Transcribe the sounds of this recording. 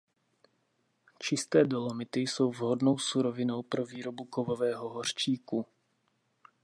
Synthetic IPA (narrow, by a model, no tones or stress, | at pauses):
t͡ʃɪst̪ɛːdolomɪt̪ɪjso̞wvɦodnowsuɾovɪno̞wpɾoviːɾo̞bukovovɛːɦo̞ɦor̝̥t͡ʃiːku